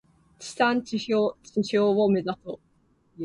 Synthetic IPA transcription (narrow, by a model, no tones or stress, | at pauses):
t͡ɕi̥sãɲt͡ɕiɕoːt͡ɕiɕoːome̞zaso